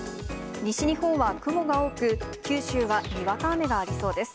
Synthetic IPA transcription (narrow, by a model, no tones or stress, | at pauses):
ɲ̟iɕiɲ̟ihõ̞ɰ̃βakɯ̟mo̞ɡao̞ːkɯ̟kʲɨːɕɨːβaɲʲiβakaːme̞ɡaːɾʲiso̞ːd̪e̞sɨ̥